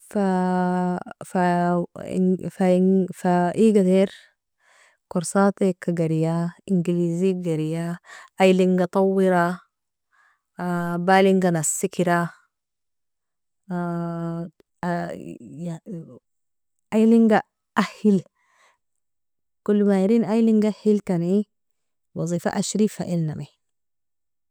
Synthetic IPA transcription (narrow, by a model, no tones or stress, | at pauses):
fa | fa̰ | fafaʔiɡat̪eɾ | kuɾsaːt̪ekːaɡaɾijaiŋɡiliːziɡaɾijaajliŋɡat̪ˤɑwːiɾa | baːliŋɡanasːikiɾa | ajliŋɡa | ʔahil | kulːmajaɾiːnajliŋɡahilkani | wɑzˤiːfa̰ʔaʃɾiːfa̰ʔilname